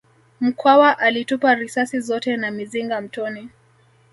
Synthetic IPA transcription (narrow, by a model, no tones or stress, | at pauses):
m̩kʰwawaʔalitupaɾisasizɔtɛnamiziŋɡam̩tɔni